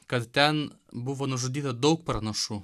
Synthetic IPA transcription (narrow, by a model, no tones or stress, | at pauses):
kɐt̪t̪ʲɛn | bʊʋoːnʊʒʊd̪ʲiːt̪ɐd̪ɐʊkpɾɐnɐʃu